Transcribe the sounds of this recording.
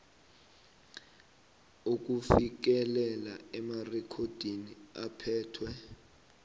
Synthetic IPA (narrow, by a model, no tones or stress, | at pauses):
uk̬ufik̬ɛlɛlaɛmarɛkʰod̥ʱiniapʰɛːtʰwɛ